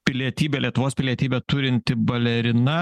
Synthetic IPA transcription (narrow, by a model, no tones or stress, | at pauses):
pʲɪlʲiɛt̪ʲiːbʲɛlʲiɛt̪ʊʋoːspʲɪlʲiɛt̪ʲiːbʲɛt̪ʊɾʲɪnʲt̪ʲɪbɐlʲɛɾʲɪnɐ